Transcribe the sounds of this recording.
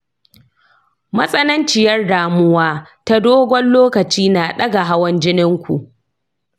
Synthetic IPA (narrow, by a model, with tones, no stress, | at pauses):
mɐ˦sʼɐ˦nɐ˦nt͡ʃɪ˨jɐ˦rdaː˨mʊ˦waː˦ta˦doː˦ɡʷɔ˦nloː˦kɐ˨t͡ʃiː˦naː˨ɗɐ˦ɡa˨ɦa˦wɐ˦nd͡ʒɪ˦nɪ˦ŋkʷṵ˨ʔ